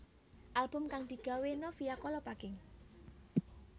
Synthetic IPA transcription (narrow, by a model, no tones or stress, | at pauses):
ʔalb̥ʊ̤mkaŋd̪̥i̤ɡ̥a̤wenɔfijakɔlɔpaɡ̥ɪŋ